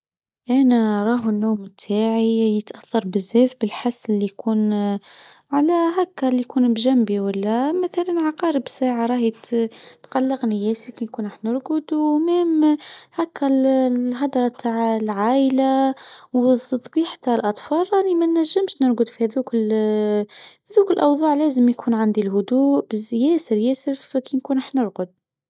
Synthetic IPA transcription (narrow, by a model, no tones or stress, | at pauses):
ʔænæɾˤɑːɦənːuːmɪt̪ʰːaːʕijət̪ʔaθːɑɾˤbɪzːɛːfbɪlħasːɪlːijkʰuːn | ʕalæɦækːælːijkuːnbʒæmbiwəlːæmæθælanʕɑqɑːɾəbsaːʕaɾˤɑːhjt̪t̪qɑlːɪqnijæːsikinkuːnɑħnəɾɡʊd̪umæːmhækːælɦɑd̪ɑɾˤɑbt̪ʰaʕlʕaːʔlawt̪ɑt̪ˤbiːħt̪aʕlʔɑt̪ˤfɑːlˤʔɑnimænːæʒːəmʃnəɾɡʊd̪fihæðukl | hæðukəlʔɑwðˤɑːʕlæːzəmjkʰuːnʕand̪ilɦʊd̪uːʔbɪzjæːsəɾjæsəɾfkinkuːnʔaħnəɾɡʊd̪̚